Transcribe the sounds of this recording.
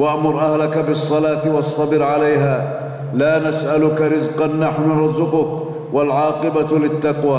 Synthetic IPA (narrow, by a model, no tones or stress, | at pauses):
waʔmʊɾˤʔahlakabɪsˤːɑlaːt̪wɑsˤːɑbɪɾʕalajɦaː | laːnasʔalʊkaɾɪzqɑnːaħnɾˤɑzʊqʊk | walʕɑːqɪbalɪt̪ːɑqwaː